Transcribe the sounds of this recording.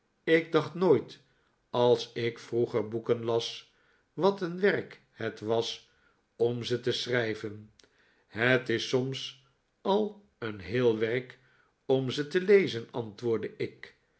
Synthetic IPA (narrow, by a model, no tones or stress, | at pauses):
ɪɡ̚dɑχtnoːjt | ɑlˠsɪkfruχəɹbukənlɑs | ʋɑtənʋɛrk | hətʋɑs | ɔmzətəsrɛjvən | ɦətɪsɔms | ɑlˠ | ənɦɪːlˠʋɛrk | ɔmzətəlejzənɑntʋʊːɹdəʔɪk